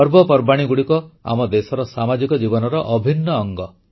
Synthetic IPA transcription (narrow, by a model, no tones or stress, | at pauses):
ɔɾbɔpɔɾbaɽ̃iɡuɽikɔa̰mɔd̪esɔɾɔsamad͡ʒikɔd͡ʒibɔnɔɾɔʔɔbʱinːɔːŋɡɔ